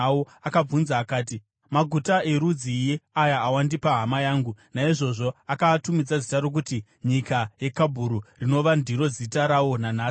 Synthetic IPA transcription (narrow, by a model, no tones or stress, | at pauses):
o | akab͡vunzaːkaːti | maɡʱutaʔe̞ɾud͡zijeajaːwandipaɦamajaːŋɡunaiʐo̞ʐo̞akatumid͡zad͡zitaɾok̬uti | ɲikaje̞kabʱuɾurino̞ʋandʱiɾo̞d͡zitaɾawo̞nanaːs